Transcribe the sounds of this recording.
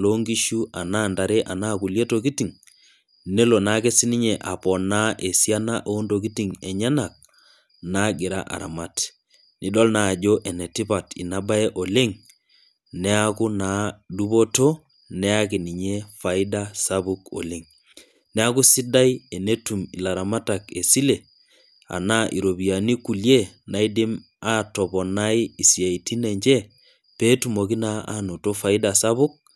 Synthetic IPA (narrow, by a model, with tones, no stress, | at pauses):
lo˦ŋɡi˦ʃu˦a˨na˦nda˨ɾe˦ʔa˨na˦ku˨lje˦toki˦ti˨ŋ | ne˦lo˨na˦ke˦si˦ni˦ɲɛ˨ʔa˨pɔ˨na˦ʔe˨sja˦na˦ʔoː˦ndo˨k̬i˦tiŋɛ˨ɲa˦na˨k̚ | na˦ɡɪ˨ɾa̰˦ʔa̰˨ɾa̰˨ma˦t | ni˨dɔ˦lna˨d͡ʒo˦ʔɛ˨nɛ˨ti˦pa˨tḭ˨na˦ba˦e˦ʔo˨le˦ŋ | nɛ˦a˦ku˦na˨du˦bo˦to˦ | nɛ˦a˦ki˨ni˨ɲe˦fa˨i˦da˦sa˦bu˦ko̰˨le˦ŋ | nɛ˦a˦ku˦si˦da˦je˨ne˦tu˨mi˨la˨ɾa˨ma˦ta˨ke˨si˦le˨ | a̰˨na˦ʔi˨ɾo˨bi˨a˨ni˦ku˨lje˦na˨i˦di˦m | a˦tɔ˨bɔ˨na˦i˦i˨sja˨i˨ti˦nɛ˨ɲd͡ʒɛ˦ | pe˦tu˨mo˨ki˦na˦a̰˦no˨to˦fa˨i˦dasa˦βu˦k̚